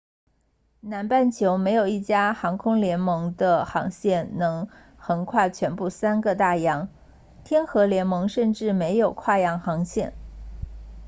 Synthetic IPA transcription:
na˧˥npa˥˩nt͡ɕʰjo˧˥ʊme˧˥ɪjo˨˩ʊi˥˩t͡ɕja˥xɑ˧˥ŋkʰʊ˥ŋljɛ˧˥nmɤ˧˥ŋd̪ə˧xɑ̰˧˥ŋɕjɛ˥˩nnɤ˧˥ŋ | xə˧˥nkʰwa˥˩t͡ɕʰɥɛ˧˥npu˥˩sa˥nɡə˨t̪a˥˩jɑ˧˥ŋ | t̪ʰjɛ˥nxɤ˧˥ljɛ˧˥nmɤ˧˥ŋʂə˥˧nʈ͡ʂɻ̩˥˩me˧˥ɪjo˨˩ʊkʰwa˥˩jɑ˧˥ŋxɑ˧˥ŋɕjɛ˥˩n

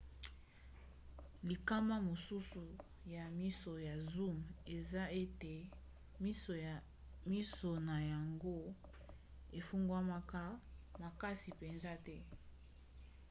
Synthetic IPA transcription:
li˨ka˦ma˦mo˨su˦su˨ | ja˨mi˦so˨ja˨zu˦me˨za˦e˦te˨ | mi˦so˨ | mi˦so˨na˨ja˨ŋɡo˦ | e˨fu˦ŋɡwa˦ma˦ka˦ma˨ka˦si˨pe˨nza˦tɛ˦

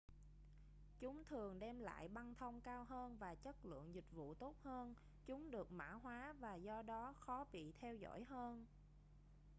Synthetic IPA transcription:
t͡ɕʊ˨˦ŋ͡mt̪ʰɨ˨˩əŋɗɛ˧mla̰ː˧˨jɓa˧nt̪ʰə˧wŋ͡mkaː˧wɦəː˧nvaː˨˩t͡ɕə˦˥t̚lɨ̰˧˨əŋzï˨˩k̟̚vṵ˧˨t̪o˦˥t̚həː˧n | t͡ɕʊ˨˦ŋ͡mɗɨ˨˩ək̚ma̰ː˧˥ɦwaː˨˦vaː˨˩zɔ˧ɗɔ˨˦xɔ˨˦ɓḭ˧˨t̪ʰɛ˧wzɔ̰˧˥jɦəː˧n

